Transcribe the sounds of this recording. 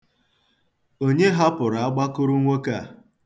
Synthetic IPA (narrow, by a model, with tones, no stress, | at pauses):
o˦ɲe˦ɦa˦pʊ˨ɾa˨a˦ɡ͡ba˦kʊ˦ɾʊ˦ŋʷe˦ka˦˨